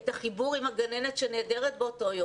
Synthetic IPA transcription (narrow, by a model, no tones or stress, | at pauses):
t̪aχibuʁimaɡanenetʃeneːdeʁet̪beoto̞jo